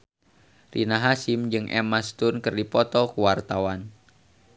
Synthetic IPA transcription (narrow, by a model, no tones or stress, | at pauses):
rʔḭnaɦasimd͡ʒɨŋʔɛ̰mast̪unkɨrdipɔt̪ɔkuwart̪awan